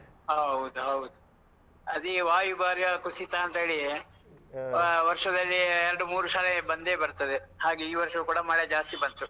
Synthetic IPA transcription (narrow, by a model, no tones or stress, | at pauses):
ɦɐɦɐwud̪uɦɐwud̪u | ɐd̪iʋaːjubaːɾjɐkusit̪aːnt̪ɐɦeːɭi | ʋɐɾʂɐd̪ɐlːiɛɾɐɽumuːɾuʃaːlebɐnd̪e̞ːbɐɾt̪ɐd̪ehaːɡeiːʋɐɾʂɐʋukuːɽɐmaːɭɐd͡ʒaːst̪ibɐnt̪u